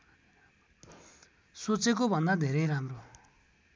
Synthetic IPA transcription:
sot͡sekobʱʌnd̪ad̪ʱeɾʌjɾamro

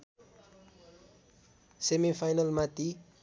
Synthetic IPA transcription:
semifʰajnʌlmat̪i

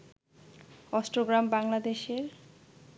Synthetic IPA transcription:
ɔsʈɾoɡɾambaŋlad̪eʃeɾ

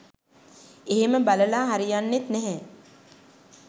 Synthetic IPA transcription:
eɦeməbaləlaːɦaɾijanːet̪nɛɦɛ

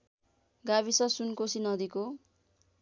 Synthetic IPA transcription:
ɡaβisʌsunkosinʌd̪iko

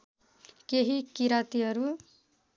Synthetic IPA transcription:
keɦikiɾat̪iɦʌɾu

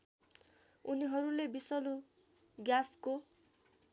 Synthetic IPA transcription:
uniɦʌɾulebisʌlu | ɡjasko

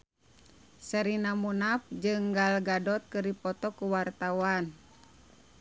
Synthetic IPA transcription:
səɾinamunap̚d͡ʒɨŋɡalɡadɔt̪̚kɨripɔt̪ɔkuwart̪awan

